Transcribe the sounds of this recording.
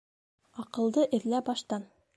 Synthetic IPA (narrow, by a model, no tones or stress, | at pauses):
ɒqɤ̆lˠd̪ɤʔɘ̆ɾlæbɒʃt̪ɑn